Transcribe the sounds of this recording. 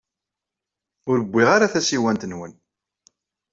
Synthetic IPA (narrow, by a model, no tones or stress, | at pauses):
ʊɾəbʷːiʁaɾaθæsiwænt̪ənwən